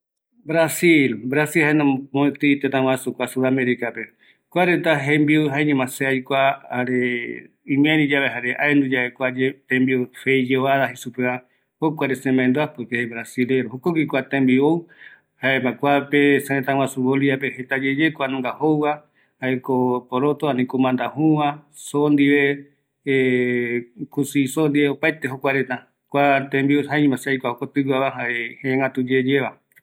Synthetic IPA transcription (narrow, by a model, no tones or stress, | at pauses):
bɾasilbɾasilhaenãmõet̪ɨt̪et̪ãw̃ãsukʷasuðameɾikape | kʷaɾent̪aɦẽmbiuɦaeɲẽmãseajkʷaaɾe | ĩmẽɾid͡ʒaβeɦaɾeʔa̰end̪ud͡ʒaβekʷad͡ʒet̪ẽmbiufejd͡ʒeaðaɦisupea | hokʷaɾesẽmãẽnd̪oapɨkeebɾasileɾohokoɡikʷat̪ẽmbiow | haebakʷapesẽẽt̪ãwʷãsuβoliapehet̪ad͡ʒed͡ʒekʷanũŋɡahowβa | haekopoɾot̪oanĩkomãnd̪ahũβa | sond̪iβe | kusisond̪iβeopaet̪eɦokʷaɾet̪ã | kʷat̪ẽmbioɦaimãsajkʷahokot̪ɨwaβaɦaehẽẽŋɡat̪ud͡ʒed͡ʒeβa